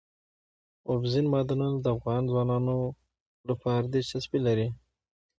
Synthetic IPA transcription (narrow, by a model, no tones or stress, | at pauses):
ʊfzinmɑd̪anand̪əafɣɑnzwɑnɑno | lapɑɾd̪et͡ʃasbilaɾi